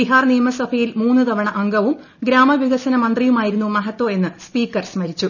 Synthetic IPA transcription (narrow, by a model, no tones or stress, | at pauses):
biɦaːrnijɐmɐsɐbʰʱɐjilmuːnːɨt̪ɐʋɐɳɐʔɐŋɡɐʋum | ɡɾaːmɐʋiɡɐsɐnɐmɐnd̪rijumaːjiɾunːumɐɦɐt̪ːwoːe̞nːɨspiːkːɐrsmɐɾit͡ɕːu